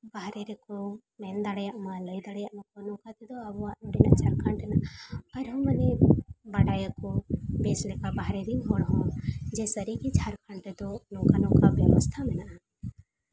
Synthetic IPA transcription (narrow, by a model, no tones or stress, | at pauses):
baɦɾɛɾɛkɔ | mɛnd̪aɽjaʔmaləjd̪aɽjaʔmakɔnɔ̃kat̪ɛd̪ɔabɔaʔnɔ̃ɖinaʔt͡ʃʰaɾkaɳʈɛnaʔɐɾɦɔ̃mənɛbaɽajakɔbɛslɛkabaɦɾɛɾiŋɦɔɽɦɔ̃d͡ʒɛsəɾikit͡ʃʰaɾkʰaɳʈɛd̪ɔnɔ̃kanɔ̃kabjɛ̰wɔst̪ʰamɛnaʔa